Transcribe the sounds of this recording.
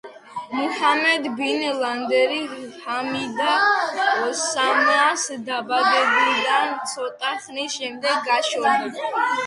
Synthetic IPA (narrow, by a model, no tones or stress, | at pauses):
muhamɛd̪binland̪ɛɾihamid̪a | ɔsamasd̪abad̪ɛbid̪ant̪sʰɔt̪ʼaχnisʃɛmd̪ɛɡːaʃɔni